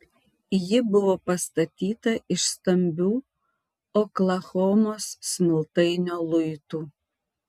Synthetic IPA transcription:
jɪbʊʋoːpɐst̪ɐt̪ʲiːt̪ɐʔɪʃst̪ɐmʲbʲuː | oːklˠɐxoːmoːsːʲmʲɪlˠt̪ɐɪnʲoːlˠʊɪt̪uː

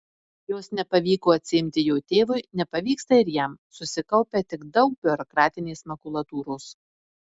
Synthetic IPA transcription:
joːsnʲɛpɐʋʲiːkoːɐt̪ʲsʲɪɪmʲt̪ʲɪjɛʊt̪ʲeːʋʊɪnʲɛpɐʋʲiːkst̪ɐɪɾjɛmsʊsʲɪkɐʊpʲet̪ʲɪkd̪ɒʊk̚b̥ʲɪɔɾɔkɾɑːt̪ʲɪnʲeːsmɐkʊlˠɐt̪uːɾoːs

